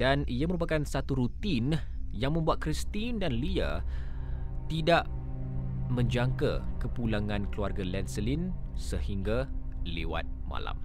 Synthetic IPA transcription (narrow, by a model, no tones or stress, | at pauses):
daniaməɾup̬akansat̪uɾut̪in | jaŋmə̃mbuat̪̚kɾist̪indanlia̰ | t̪idaʔ | mə̃ɲd͡ʒaŋka̰kəpulaŋãnkəluarɡalɛnsəlinsəhiŋɡa | lḛwa̰t̪̚mã̰la̰m